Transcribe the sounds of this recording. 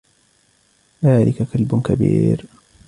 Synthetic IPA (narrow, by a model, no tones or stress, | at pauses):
ðaːlʔɪkakalbʊkabiːɾ